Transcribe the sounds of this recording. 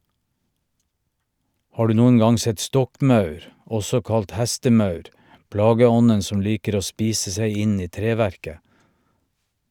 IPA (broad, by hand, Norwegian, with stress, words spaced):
ˈhɑː ˈɖʉː ˈnuːən ˈɡɑŋ ˈsɛt ˈstɔkˌmɑʉɾ ˈɔsɔ ˈkɑlt ˈhɛstəˌmɑʉɾ ˈplɑːɡəˌɔnən ˈsɔm ˈliːkəɾ ˈoː ˈspiːsə ˈsæɪ ˈɪ ˈniː ˈtɾeːˌʋæɾkə